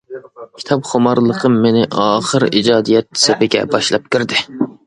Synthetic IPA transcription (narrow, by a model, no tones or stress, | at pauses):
kʲʰi̥t̪ʰɑpχomɑɾlˠəqʰəmːenɪʔɑːχəɾḭd͡ʒɑːd̪ijɛt̪̚sepɪɡʲɛ̰bɑʃlˠɑp̚kʲyɾd̪ɪ